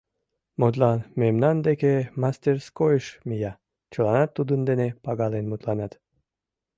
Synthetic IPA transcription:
mot̪̬lɑnmemnɑnd̪ekemɑst̪erskojəʃmijɑ | t͡ɕəlɑnɑt̪ːud̪ənd̪enepɑɡɑlenmut̪lɑnɑt̪

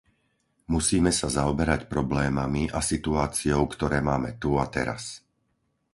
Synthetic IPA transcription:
musiːmɛsazaɔbɛɾacpɾɔblɛːmamiʔasit̪uaːt͡siɔʊkt̪ɔɾɛːmaːmɛt̪uat̪ɛ̰ɾa̰s

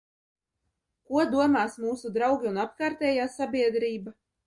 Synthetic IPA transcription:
kuɔd̪uɔmaːsmuːsud̪ɾawɡʲiunapkaːɾt̪ɛːjaːsabʲiɛd̪ɾiːba

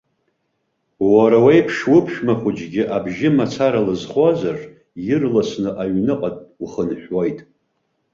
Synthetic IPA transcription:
waɾawejpʰʂwʊpʰʃᶣmaχʷʊd͡ʒɡʲɪʔabʒɪmat͡sʰaɾalɨzχʷazar | jɪrlasnɨʔaɥnɨqʼatʼuχənħᶣwajtʼ

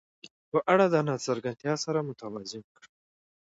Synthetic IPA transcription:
pəʔaɽad̪ənɑsəɾɡant̪jɑsaɾamʊt̪awazɪmkɽ

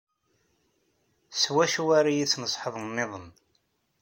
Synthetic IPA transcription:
swæʃuwaɾajit͡sːnəsˤħəðˤəːɪðˤən

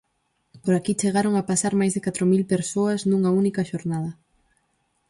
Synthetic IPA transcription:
poɾakit͡ʃeɣaɾoŋapasaɾmajzðekat̪ɾomilpeɾsoɐznũŋɐunikɐʃoɾnaðɐ

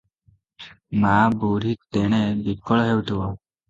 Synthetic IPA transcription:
mabuɾik̚t̪eɽ̃ebikːɔɭɔɦewʈ̪ʰuwɔ

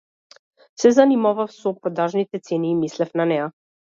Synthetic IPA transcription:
sɛzanimavafsɔpɾɔd̪aʒnit̪ɛt̪sɛniːmislɛfnanɛja

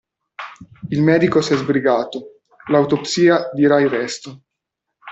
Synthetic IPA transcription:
ilmɛːd̪ikosɛzbɾiɡaːt̪o | laut̪opsiːad̪iɾairɛst̪o

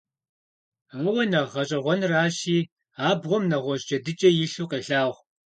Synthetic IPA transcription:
ŋəwɐnɐʁɐɕʼɐʁʷɔnraːʃiː | aːbʁʷɔmnɐʁʷɔʒd͡ʒɐdɨt͡ʃʼɐjɪɬuːqeːɬaːʁʷ

